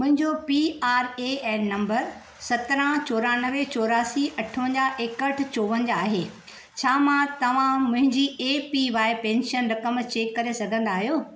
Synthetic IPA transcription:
mʊ̃ɦɪ̃ɲd͡ʑopiaːɾeːɛːnɐ̃mbəɾ | sɐt̪ɾə̃t͡ɕoːɾaːnɐʋet͡ɕoːɾaːsiɐʈʰəʋə̃ɲd͡ʑaʔeːkəʈʰɪ̆t͡ɕoːʋə̃nd͡ʑaːɦeː | t͡ɕʰaːmãt̪ɐʋ̤ãmʊ̃ɦɪ̃ɲd͡ʑieːpiʋaːɪpẽːnʃənɾɐkəmt͡ɕeːkːɐɾesɐɡʱə̃nd̪aːɦijoː

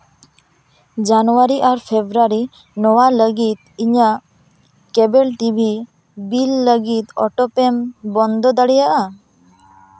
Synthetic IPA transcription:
d͡ʒanɔwaɾiʔaɾpʰebɾaɾi | nɔwaləɡit̪̚iɲaʔ | kɛbɛlʈibʱi | bilːəɡit̪ɔ̰ʈɔpɛmbɔnd̪ɔd̪aɽijaʔa

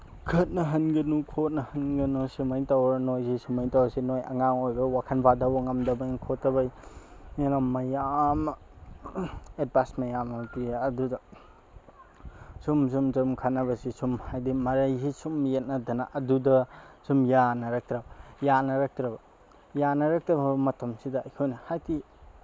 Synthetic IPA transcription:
kʰɐt̚nɐɦɐnɡɐnukʰot̚nɐhɐnɡɐnusimajtawnojsisimajtawsinojʔɐ̰ŋaŋojbɐwakʰɐnpʰadawŋɐmdɐbajnkʰotːɐbɐjenamːɐjam | et̚pasmɐjamatiːdudɐ | sumsumzumkʰanɐβɐsisumhajdimɐɾɐjzisumjet̚nɐdɐnaʔɐdudɐsumjanɐɾak̚tɾabɐjanɐɾak̚tɾɐbɐ | janɐɾak̚tɾɐbɐbɐmɐtʰɐmsidɐɐjkʰojnɐhajdi

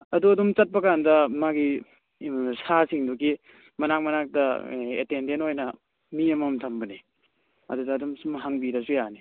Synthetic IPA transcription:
ɐduɐdumt͡ʃɐt̚pɐkandɐmaɡi | sasiŋduki | mɐnak̚mɐnak̚tɐḛtendentojnɐ | miɐmɐmtʰɐmbɐni | ɐ̰dudɐːdumsumɦaŋbiɾɐsujani

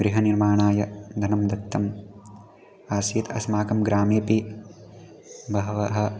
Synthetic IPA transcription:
ɡɾiɦɐniɾmaːɳaːjɐd̪ʱɐnɐmd̪ɐkt̪ːɐm | aːsiːt̪ɐsmaːkɐmɡɾaːmjɐpi | bɐɦɐʋɐɦɐ̆

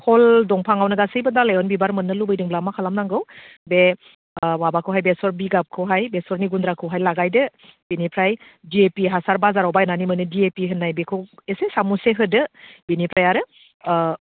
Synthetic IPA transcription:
kʰɔldɔŋpʰaŋawnɯɡasɯjbɯdalajɔnbibaɾmɯnːɯlubɯjdɯŋblamakʰalamnaŋɡɯw | be | wabakʰɯwɦajbesɔɾbiɡap̚kʰɯwɦajbesɔɾniɡundɾakʰɯwɦajlaɡajdɯb̥inipʰɾaj | diepiɦasaɾbazaɾɔwbajenanimɯnɯdiepiɦɯnːajbekʰɯwesesamuseɦɯdɯb̥inipʰɾajaɾɯ

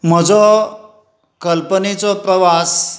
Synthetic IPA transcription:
m̤əd͡zɔ | kəlpənet͡sɔpɾəʋas

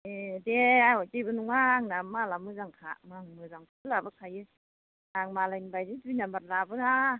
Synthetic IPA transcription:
edeawat͡ɕibɯnuŋmaŋnamːaːlamɯzaŋkʰa̰ʔmaŋmɯːzaŋpʰɯlabakʰaje | aŋmaːlaibajdetinambat̚laːbɯla

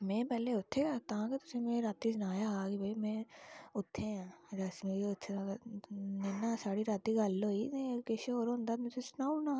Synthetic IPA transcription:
mɛ̃ːpɛːɦleʊt̪ʰːekat̪aãket̪ʊsẽmẽɾaːt̪id͡ʒnaːjaɦakibʱɐimẽʊt̪ʰːeãɾasmikʊt̪ʰːeã | nenasaːɽiɾaːt̪iɡaːlːoːiekeʃeoːɾond̪ad̪mʊsesnaːuna

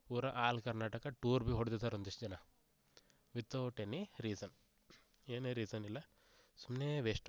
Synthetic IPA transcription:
puːɾɐʔaːlkɐɾnaːʈɐkɐʈuːɾbiɦoɽd̪it̪aːɾond̪isd͡ʒɐnɐ | ʋit̪ːoʈenːiɾiːsɐn | eːneɾiːsɐnilːɐ | sumneːʋeːʂʈ

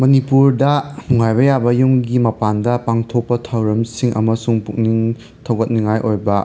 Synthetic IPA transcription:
mɐnipuɾdɐnuŋajbɐjabɐjuŋɡimɐpandɐpaŋtʰok̚pɐtʰawɾɐmsiŋʔɐ̰mɐsuŋpuk̚niŋ | tʰɐwɡɐt̚niŋajʔojbɐ

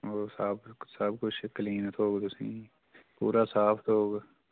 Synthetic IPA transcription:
oːsabsəb̚kʊt͡ʃʰkəliːnt̪oːɡt̪ʊsĩː | pṵːɾaːsaːpʰt̪oːɡ

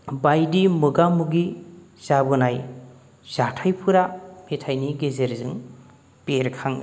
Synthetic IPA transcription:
bajdimɯɡamuɡi | z̥abɯnaj | z̥atʰajpʰɯɾametʰajniɡezeɾzɯŋ | peɾkʰaŋ

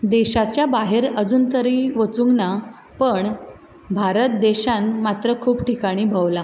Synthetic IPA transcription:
d̪eɕat͡ɕjabaɦeɾəd͡zuːnt̪əɾiːʋət͡suŋɡna | pəɳ | bʱaɾət̪̚d̪eɕanmat̪ɾəkʰuːbʈikaɽ̃iːbʱaʋla

